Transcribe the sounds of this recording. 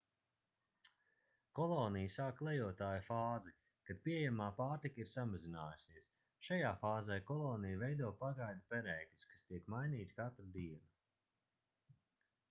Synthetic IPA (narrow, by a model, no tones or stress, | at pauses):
kɔlˠɔːnijsaːkːlˠɛjuɔt̪aːjufaːzɛ | kad̪̚piejamaːpaːɾt̪ikaiɾsamazinaːjusiɛs | ʃajaːfaːzɛjkɔlˠɔːnijvɛjd̪uɔpaɡajd̪upɛɾɛːklʲuskḁst̪iɛkmajniːt̪i̥kat̪ɾd̪iɛna